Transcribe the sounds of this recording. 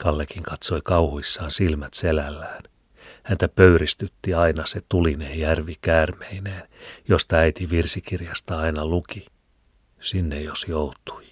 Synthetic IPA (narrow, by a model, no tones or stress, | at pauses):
kɑlːekiŋkɑt̪soikɑuhuisːɑːnsilmæt̪selælːæːn | hænt̪æpøyrist̪yt̪ːiɑinɑset̪ulinejjærʋikæːrmeineːnjost̪ɑæit̪iʋirsikirjɑst̪ɑɑinɑluki | sinːejjosjout̪u̥i